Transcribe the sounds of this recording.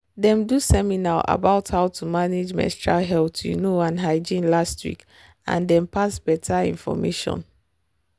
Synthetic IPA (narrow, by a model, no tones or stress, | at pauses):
dɛ̃mdusɛminaa̰baʊthaʊtʰumaned͡ʒmɛ̰̃stɹalɦɛltṵnoãnɦaɪd͡ʒĩnlastwḭk | ã̰ndɛ̃mpasb̥ɛtʰaḭ̃nfɔ̰meʃɔ̰̃n